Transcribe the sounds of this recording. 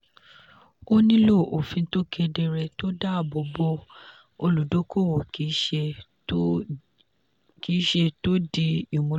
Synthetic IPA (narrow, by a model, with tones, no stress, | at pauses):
o˦nĩ˦lo˦˨o˨fĩ˧˦to˦kʰɛ˧dɛ˧ɾɛ˧to˦da˦˨bo˨bo˦ | o˧lu˨do˨˦kʰo˦˨wo˨ki˨˦ʃe˧ | ki˨˦ʃe˧to˦di˧i˨mũ˨˧